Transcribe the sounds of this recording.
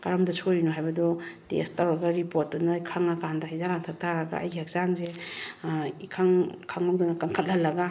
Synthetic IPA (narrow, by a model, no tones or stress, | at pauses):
kaɾɐmdɐsʰojinɔɦajbɐdɔtḛstawɾɐɡɐɾipotːɔnaikʰaŋakʰandaɦajzaɾaŋtʰak̚tʰaɾɐɡa̰ɐ̰jɡiak̚zanze | ikʰaŋkʰaŋawdɔnɐkaŋkʰɐt̚hɐlːɐɡa